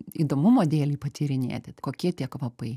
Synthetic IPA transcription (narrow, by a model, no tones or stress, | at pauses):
iːd̪oːmʊmoːd̪ʲeːlʲiːpɐt̪ʲiːɾʲɪnʲḛːt̪ʲɪkoːkʲiɛtʲiɛkʋɐpɐɪ